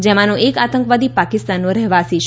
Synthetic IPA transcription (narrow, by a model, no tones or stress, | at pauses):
d͡ʒemãnũʔekat̪ə̃ŋkʋad̪ipakɪst̪anːõɾɛɦʋasiʃ